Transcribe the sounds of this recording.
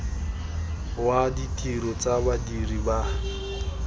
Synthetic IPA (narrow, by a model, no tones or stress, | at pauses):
waditʼiɾɔt͡sʼabadiriba